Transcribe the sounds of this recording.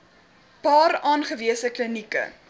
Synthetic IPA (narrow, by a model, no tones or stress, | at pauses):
pɑːɾɑːnχəviəsəklənikə̰